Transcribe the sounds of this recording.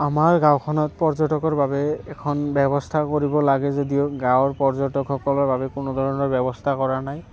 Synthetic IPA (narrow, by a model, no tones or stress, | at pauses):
amaɹɡãwkʰɔnɔtpɔɹzɔtɔkɔɹbabɛːkʰɔnbɛbɔstʰakoɹibɔlaɡɛzodioɡãwɹpɔɹzɔtɔkxɔkɔlɔɹbabɛkʊnod̪ʱɔɹɔnɔɹbɛbɔstʰakɔɹanaj